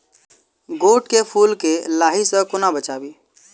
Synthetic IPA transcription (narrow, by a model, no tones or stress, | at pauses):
ɡoːʈkepʰuːlkelaːɦisəkʊnabət͡ʃaːbiː